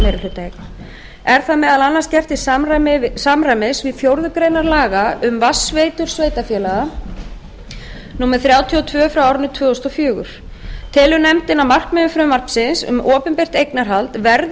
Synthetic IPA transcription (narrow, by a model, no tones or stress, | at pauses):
mɛːɾʏlhʏt̪aj | ɛɾ̥θaðmɛðalanːanscɛft̪ɪsamramɪsamrajmɪsvɪðθjowɾðʏkɾejnaɾlaːɣaʏmvasveːjt̪ʏɾ̥sveːjt̪afjɛːlaɣa | nuːmɛɾ̥θɾjaːwt̪ʰiɔt̪ʰvœːfɾawawɾnʏt̪ʰvœːɔst̪ɔfjœːɣʏ̰ɾ̥ | t̪ʰɪlʏnɛmt̪ɪnamar̥kmɛnʏfɾʏmːar̥psɪnsʏ̰mʔɔːpʏmpejr̥t̪ejknaɾ̥ɦalt̪vɛɾð